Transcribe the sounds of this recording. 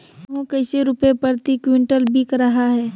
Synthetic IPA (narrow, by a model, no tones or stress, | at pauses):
ɦũkɐɪseɾʊpepəɾt̪ikwɪ̃ɳʈəlbʱikɾɐɦaɦɛː